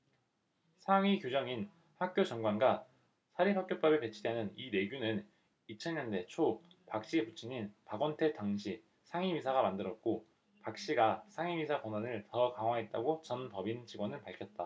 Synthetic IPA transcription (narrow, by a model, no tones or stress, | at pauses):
sʰaŋɥikjod͡ʑʌŋin | ɸak̚k͈jod͡ʑʌŋɡwanɡa | sʰaɾiɸwak͈̚jop͈ʌbepe̞t͡ɕʰidenɯnine̞ɡjunɯn | it͡ɕʰʌnɲʌnde̞t͡ɕʰo | pak̚ɕ͈iput͡ɕʰiɲinpaɡʌntʰe̞taŋɕʰi | sʰaŋimisʰaɣamandɯɾʌt̚k͈o | pak̚ɕ͈iɡasʰaŋimisʰakʌnwanɯɭtʌkaŋwaɦet̚t͈aɡot͡ɕʌnpʌbind͡ʑiɡwʌnɯɭpaɭkʰjʌt̚t͈a